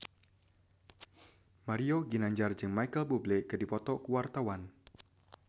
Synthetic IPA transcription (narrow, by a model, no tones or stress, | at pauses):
maɾioɡinaɲd͡ʒard͡ʒɨŋmajkəlbublekɨdipɔt̪ɔkuwart̪awan